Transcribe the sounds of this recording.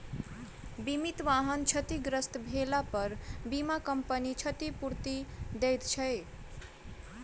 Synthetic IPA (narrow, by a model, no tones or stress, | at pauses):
bimit̪ʋaɦənt͡ʃʰət̪iɡɾəst̪bʱelapəɾbimakəmpənit͡ʃʰət̪ipuɾt̪id̪ejt̪t͡ʃʰəj